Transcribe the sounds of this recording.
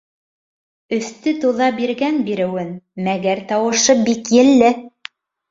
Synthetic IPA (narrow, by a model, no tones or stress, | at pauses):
ɵ̆θt̪ɵt̪uðɑbiɾɡænbiɾɘ̆wɘnmæɡæɾt̪ɑwɤ̆ʃɤbikjɘ̆lːɘ